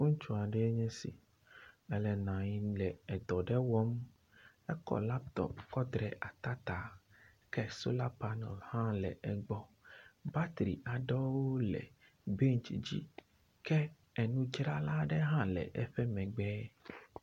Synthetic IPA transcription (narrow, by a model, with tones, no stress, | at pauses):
ŋũ˦t͡ʃu˦a˨ɖɛ˦ɲɛ̃˦sḭ˨ | ɛ˨lɛ˨nã˨ɲi˨lɛ˨ɛ˨d̪ɔ˨ɖɛ˦wɔ˦m | ɛ˦kɔ̰˨la˦p̚t̪ɔ̰˨pkɔ˦d̪ɾɛ˨ʔa˨t̪a˦t̪a˨ | kɛ˦so˦la˦pa˦nɔ̰˨lhã˦lɛ̰˨ʔɛ˨ɡ͡bɔ˦ba˦t̪ɾḭ˨ʔa˨ɖɔ˦woo˦lɛ̰˨ | be˦ŋ˨t͡ʃi˨d͡ʑḭ˦ | kɛ˦ | ɛ˨nũ˦d͡ʒɾa˦la˦ɖɛ˦ɦã˦lɛ̰˨ʔɛ˦ɸɛ˦mɛ̃˨ɡ͡bɛː˦